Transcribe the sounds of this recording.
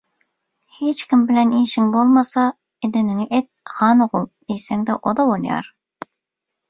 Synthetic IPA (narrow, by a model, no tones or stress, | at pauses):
het͡ʃkʲimbɪlɛniʃɪŋbolˠmɑsɑ | ed̪ɪnɪŋɪʔet̪̚hɑːnɨʁʊlˠd̪ejsɛŋd̪ɛʔod̪ɑwonjɑ̰ɾ